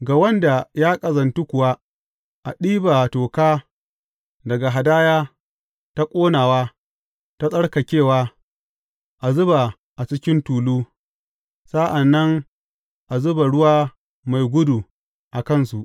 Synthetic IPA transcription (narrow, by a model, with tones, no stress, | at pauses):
ɡa˨wɐ˦nda˨ja˦kʼɐ˨zɐ˨ntu˦kʷʊ˨waː˦ | ʔa˨ɗiː˦ba˨toː˨kaː˦ | dɐ˨ɡa˨ɦa˨daː˦jaː˦ | ta˦kʷʼoː˦naː˨waː˦ | ta˦sʼɐ˦ɽka˨kʲeː˦˨waː˦ | ʔa˨zʊ˦ba˨ | ʔa˨t͡ʃɪ˦kʲɪ˦ntuː˨luː˦ | sa˦ʔa˨nːɐ˦ŋ | ʔa˨zʊ˦ba˨ɽʊ˦waː˦ | ma˨jɡʷʊ˦du˨ | ʔa˨kɐ˦˨nsu˨ʔ